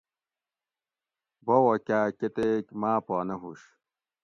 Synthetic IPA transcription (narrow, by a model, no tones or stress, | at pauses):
bowɐkʲaːket̪ekmaːpaːnɐɦuɕ